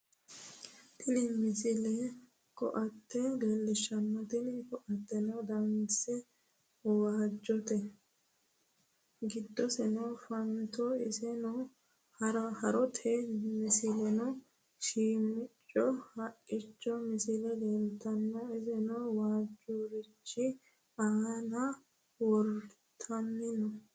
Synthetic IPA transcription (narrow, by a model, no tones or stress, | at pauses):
t̪ʰɪnɪmɪsɪlɛ | kɔ̰ʔɐt̪ːɛɡeːlːɪʃɐnːɔt̪ɪnɪkɔʔɐt̪ːɛnɔd̪ɐmɪsɛ | waːd͡ʒːɔt̪ɛ | ɡɪd̪ːɔsɛnɔfɐnt̪ɔɪsɛnɔ | hɐɾɐhɐɾɔt̪ʰɛmɪsɪlɛnɔ | ʃiːmːɪt͡ʃʼːɔhɐkʼːɪt͡ʃːɔmɪsɪlɛɡ̪eːlt̪ɐnːɔɪzɛnɔwaːd͡ʒɔɾɪt͡ʃːɪ | anɐ | wɔɾ | t̪ʰɐmːɪnɔ